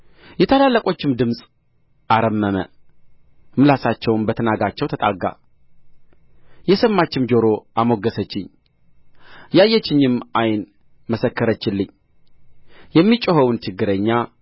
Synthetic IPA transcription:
jɛt̪ʰəlalːəkʷʼo̞t͡ʃːɪmd̪ɨmsʼ | aɾəmːəmə̰ | mɨlasat͡ʃːɛwnbət̪ʰənaɡat͡ʃːɛwt̪ʰət̪ʼaɡa̰ | jɛsəmːat͡ʃːɪmd͡ʒo̞ɾo̞ʔamo̞ɡːəsət͡ʃːɪɲ | jajɛt͡ʃːɪɲːɪmajn | məsəkːəɾət͡ʃːɪlːɨɲ | jɛmːit͡ʃʼəhəwunt͡ʃʰɨɡːɨɾəɲːa

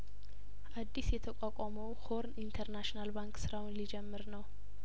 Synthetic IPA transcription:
ʔad̪ːisjɛt̪ʰəkʷʼakʷʼɔməwho̞ɾnint̪ʰəɾnaʃinalbaŋkʼsɨɾawnlid͡ʒɛmːɨɾnəw

